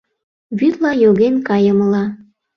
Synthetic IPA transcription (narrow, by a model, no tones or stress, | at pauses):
βyt̪lɑjoɣenkɑjəməlɑ